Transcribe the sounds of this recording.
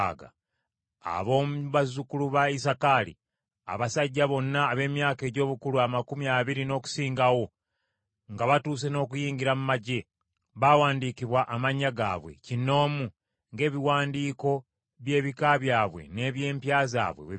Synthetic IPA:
ɡa̰ | a̰βo̞ːmuβazukuluβaisakalḭ | a̰βasaɟːaβo̞nːaːβe̞ːmjaːke̞ːɟo̞ːβukuluamakumiaβiɾino̞ːku̥siːŋɡawo̞ | ŋɡaβatuːse̞no̞ːkujiːɲɟiɾamumaɟe̞ | βawaːndikiβwaʔamaɲːaɡa̰ːβwe̞̰cino̞ːmu | ŋɡe̞ːβiwaːndiːko̞ | βje̞ːβikaβjaːβwe̞̰ne̞βje̞ːmpjaːza̰ːβwḛe

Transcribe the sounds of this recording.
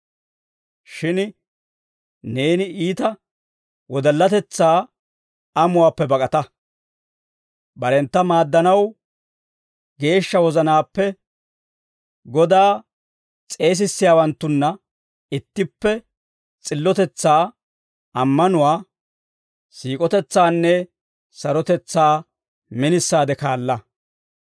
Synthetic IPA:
ʃɪn | ne̞ːnɪʔiːt̪ɐ | wɔd̪ɐlːɐt̪ɛt͡sːaː | ɐmʊwaːpːɛbɐkʼɐt̪ɐ | bɐɾɛnt̪ːɐmaːd̪ːɐnɐw | ɡe̞ːʃːɐwɔzɐnaːpːɛ | ɡɔd̪aː | t͡sʼe̞ːs̬ɪsːɪjaːwɐnt̪ːʊnːɐ | ɪt̪ːɪpːɛ | t͡sʼɪlːɔt̪ɛt͡sːaː | ɐmːɐnʊwaː | siːkʼɔt̪ɛt͡sːaːnːɛ | sɐɾɔt̪ɛt͡sːaː | mɪnɪsːaːd̪ɛkaːlːɐ

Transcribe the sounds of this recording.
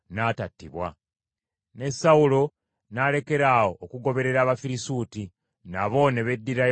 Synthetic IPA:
naːtatːiβwa | ne̞sawulo̞ | nale̞ke̞ɾaːwo̞ːkuɡo̞βe̞ɾe̞ɾaːβafiɾisuːti | naβo̞ne̞βe̞dːiɾa

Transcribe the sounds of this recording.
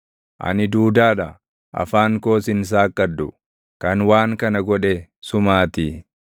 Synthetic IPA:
ʔɐ̰nɪd̪uːd̪aːᶑɐ | ʔɐ̰faːŋko̞ːsɪns̬aːkːɐd̪ːʊ | kɐnwaːŋkɐnɐɡɔᶑɛsʊmaːt̪i

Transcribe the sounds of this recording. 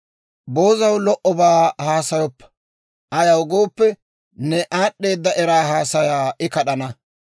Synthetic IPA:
bo̞ːzɐwlɔʔɔbaːhaːsɐjɔpːɐ̥ | ʔɐjɐwɡo̞ːpːɛ | nɛʔaːɗːe̞ːd̪ːɐʔɛɾaːɦaːsɐjaːɪkɐɗɐnɐ

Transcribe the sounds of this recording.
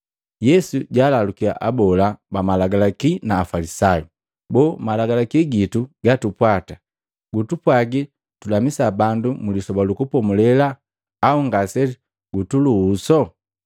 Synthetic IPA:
jɛsuɟaːlalukia̰ʔabɔlabamalaɡalakinaːfalisaju | bɔːmalaɡalakiɡituɡatupwata | ɡutupwaɡi | tulamisabandumulisɔbalukupɔmulɛlaː | uŋɡasɛ | ɡ̥utuluːsɔ

